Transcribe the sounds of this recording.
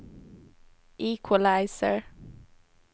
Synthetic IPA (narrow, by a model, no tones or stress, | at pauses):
ʔiːkʰwəlaɪsəɹ